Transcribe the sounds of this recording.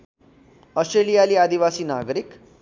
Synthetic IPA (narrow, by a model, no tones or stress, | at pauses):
əsʈɾelijaliːad̪iʋasiːna̰ɡɾik